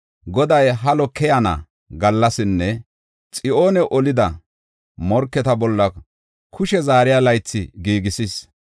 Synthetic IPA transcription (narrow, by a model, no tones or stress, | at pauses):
ɡɔd̪ɐjɦɐlɔkːɛjanɐ̰ | ɡɐlːɐsɪnːɛ | t͡sʼɪʔo̞ːnɛʔɔlɪd̪ɐ | mɔɾkːɛt̪ɐbɔlːɐ | kʰːʊʃɛzaːɾɪjalɐjt͡sːɪɡiːɡɪsis